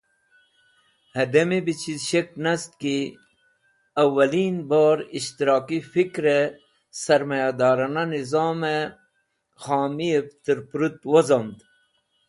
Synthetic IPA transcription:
hɐd̪ɐmibit͡ɕʰizʃeknɐst̪̚ki | ɐwːɐliːnbaːɾiʃt̪iɾɑːkifikɾe | sɐɾmɐjad̪ɑːɾɑnanizɑːme | xaːmieft̪ɨɾpɾut̪wozɐnd̪

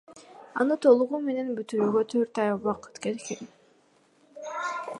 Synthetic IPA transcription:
ɑ̰nɯt̪ʰo̞lˠuʁume̞ne̞nbyt̪yɾyːɡøt̪ʰøɾt̪ɑjβɑqɯ̥t̪kelken

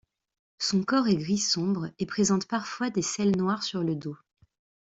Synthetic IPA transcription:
sɔ̃kɔʁɛɡʁisɔ̃bʁepχezɑ̃t̪paʁfwad̪esɛlnwaʁsyʁləd̪o

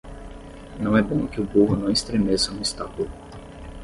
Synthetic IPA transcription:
nɐ̃w̃ɛbõw̃kɪʊboɦʊnɐ̃w̃ist̪ɾemesɐnʊist̪akulʊ

